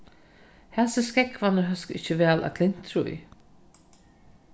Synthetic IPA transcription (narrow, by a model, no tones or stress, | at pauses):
hɛsəskɛkʰvanəɦœskɪt͡ɕəvɛːlʔæ̰kʰlɪn̥t̪ɾṵḭ